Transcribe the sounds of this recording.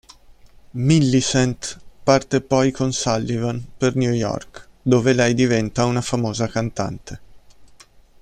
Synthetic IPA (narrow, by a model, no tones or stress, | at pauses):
milːisɛnt̪part̪epɔjkʰonsalːivanpernjujɔ̰rkd̪oːvelɛjd̪ivɛnt̪aunafamoːzakant̪a̰nt̪e